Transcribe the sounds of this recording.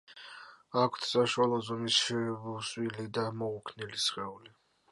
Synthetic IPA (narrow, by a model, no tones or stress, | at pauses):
akʷʰt̪ʰsaʃwalˠɔzɔmisʃɛvusʼwilid̪amɔukʰnilisχɛuli